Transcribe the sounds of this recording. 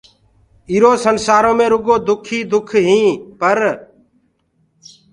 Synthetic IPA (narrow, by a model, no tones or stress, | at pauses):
iːɾoːsənsaːɾõːmẽːɾʊɡoːd̪ʊkʰiːd̪ʊkʰɦĩːpəɾ